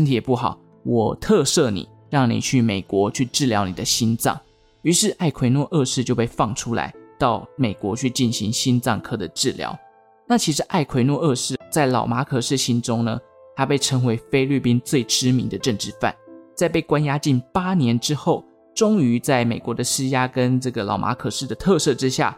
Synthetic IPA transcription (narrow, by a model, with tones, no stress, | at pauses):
ə˥nt̪ʰi˨˩jɛ˨˩pu˥˩xɑ˨˩˦ʊ | wʔɔ˨˩t̪ʰɤ˥˧ʂɤ˥˩nḭ˨˩˦ | ɻɑ˥˩ŋnḭ˨˩t͡ɕʰy˥˩me˨˩ɪkwɔ˧˦t͡ɕʰy˥˧ʈ͡ʂɻ̩˥˩ljɑ˧˥ʊni˨˩d̪ə˦ɕi˥nt͡sɑ̰˥˩ŋ | y˧˥ʂɻ̩˥˧ʔa˥˩ɪkʰwe˧˥ɪnwɔ˥˧ʔɤ˥˧ʂɻ̩˥˧t͡ɕjo˥˧ʊpe˥˧ɪfɑ˥˩ŋʈ͡ʂʰu˥la̰˧˦ɪt̪ɑ˥˩ʊme˨˩ɪkwɔ̰˧˥t͡ɕʰy˥˧t͡ɕi˥˩nɕi˧˥ŋɕi˥nt͡sɑ̰˥˩ŋkʰɤ˥d̪ə˨ʈ͡ʂɻ̩˥˩ljɑ̰˧˥ʊ | na˥˩t͡ɕʰi˧˥ʂ̬ɻ̩˧˦ʔa˥˩ɪkʰwe˧˥ɪnwɔ˥˧ɤ˥˧ʂɻ̩˥˩t͡sa˥˩ɪlɑ̰˨˩ʊma˧˥kʰɤ˨˩ʂɻ̩˥˩ɕi˥nʈ͡ʂʊ˥ŋnə˨ | t̪ʰa˥pe˥˩ɪʈ͡ʂʰɤ˧˥ŋwe˧˥ɪfe˥ɪly˥˩pi˥nt͡swe˥˩ɪʈ͡ʂɻ̩˥mḭ˧ŋd̪ə˨ʈ͡ʂə˥˧ŋʈ͡ʂɻ̩˥˧fa̰˥˩nt͡sa˥˧ɪpe˥˩ɪkwa˥nja˥t͡ɕi˥˩npa˥njɛ˧˥nʈ͡ʂɻ̩˥xo˥˩ʊ | ʈ͡ʂʊ˥ŋy˧˥t͡sa˥˩ɪme˨˩kwɔ˧˥˦d̪ə˧ʂɻ̩˥ja˥kə˦˥nʈ͡ʂɤ˥˩ɡə˩lɑ̰˨˩ʊmʔa̰˧˥kʰɤ˨˩ʂɻ̩˥˩d̪ə˩t̪ʰɤ˥˧sɤ˥˧ʈ͡ʂɻ̩˥ɕja̰˥˩